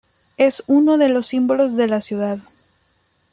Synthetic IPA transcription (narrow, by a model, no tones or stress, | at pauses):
e̞suno̞ðe̞lo̞sːimbo̞lo̞zðe̞lasjuðað